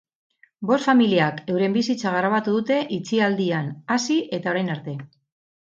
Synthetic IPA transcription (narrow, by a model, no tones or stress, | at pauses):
bo̞st̪familiake̞wɾe̞mbisit͡saɣ̞aɾaβ̞at̪uðut̪e̞ʔit͡siald̪ianasiʔe̞t̪ao̞ɾajnaɾt̪e̞